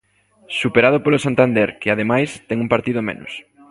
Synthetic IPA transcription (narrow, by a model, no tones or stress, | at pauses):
supeɾað̞ʊpolosant̪and̪ɛɾkɪaðemajst̪ɛŋumpaɾt̪iðʊmḛnʊ̰s